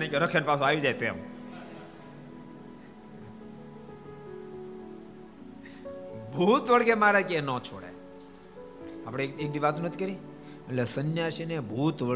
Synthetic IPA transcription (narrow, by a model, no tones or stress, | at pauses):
nĩkeɾəkʰənpasõaʋid͡ʒajt̪em | bʱut̪ʋəɭɡemaɾekenɔ̃t͡ʃʰoɽḛ | apɽ̃eek̚d̪iʋat̪ũnət̪ʰi̥kəɾi | əʈlesənjaʃinebʱut̪ʋə